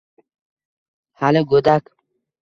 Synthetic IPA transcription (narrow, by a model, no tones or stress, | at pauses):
haloɡod̪ak